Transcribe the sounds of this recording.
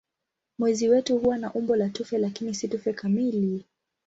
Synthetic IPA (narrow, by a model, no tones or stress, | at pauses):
mwɛziwɛtuhuwanaʔumbɔlatufɛlakinisitufɛkamili